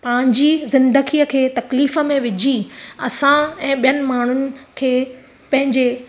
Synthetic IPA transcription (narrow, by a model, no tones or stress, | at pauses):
pɐ̃ːɪ̃ɲd͡ʑizɪ̃nd̪əɡiːəkʰeːt̪ɐkliːfə̆mẽʋɪd͡ʑʱiɐsãɛ̃ːɓijənɪ̆maːɳ̤ʊnɪ̆kʰeː | pɐ̃ɦɪ̃ɲd͡ʑe